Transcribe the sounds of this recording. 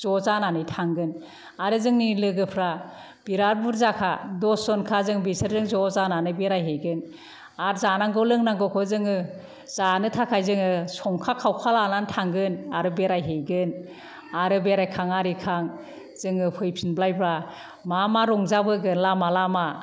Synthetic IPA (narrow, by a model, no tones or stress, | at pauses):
z̥ɔzananɯjtʰaŋɡɯn | aɾɯzɯŋnilɯɡɯpʰɾa | b̥iɾaɾbuɾzakʰadɔsɔnkʰazɯŋbisɯɾzɯŋzɔzananɯbeɾajɦejɡɯn | aɾzanaŋɡɔlɯŋnaŋɡɔkʰɔzɯŋɯ | z̥anɯtʰakʰajzɯŋɯsɔŋkʰakʰawkʰalanantʰaŋɡɯnaɾɯbeɾajɦejɡɯn | aɾɯbeɾajkʰaŋaɾikʰaŋ | z̥ɯŋɯpʰɯjpʰinblajbɾa | mamaɾɔŋzabɯɡɯnlamalama